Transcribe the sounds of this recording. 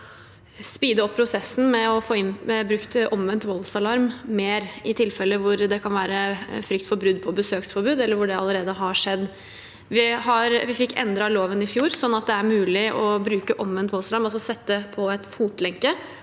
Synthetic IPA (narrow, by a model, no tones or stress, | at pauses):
spiːd̪əɔpʰːɾʊsɛsːn̩mɛɔfoːɪnbɾʉkt̪ʔɔmʋɛnt̪ʋɔlsɑlɑɾmmeːɾɪt̪ʰɪlfɛlːəʋʊɾd̪ɛkʰɑnʋæːɾəfɾʏkt̪fɔɾbɾʉd̪pʰɔbəsøːksfɔɾbʉːd̪ɛlːəɾʋʊɖɛɑlːəɾeːd̪əɦɑʂɛd̪ː | ʋɪhɑɾʋɪfɪkːɛ̰nd̪ɾɑloːʋənɪfjuːɾsɔnːɑt̪̚d̪ɛæɾmʉːlɪʔɔbɾʉːkəʔɔmʋɛnt̪ʋɔlsɑlɑɾmɑlsɔsɛt̪ːəpʰɔɛt̪fuːt̪lɛŋkə